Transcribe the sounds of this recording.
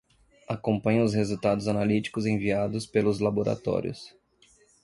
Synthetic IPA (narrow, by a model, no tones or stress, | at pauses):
akõmpɐ̃ɲʊʊshezuwt̪ad̪ʊzanalit͡ʃi̥kʊzẽviad̪ʊspelʊzlaboɾa̰t̪ɔ̰ɾʲjʊ̰s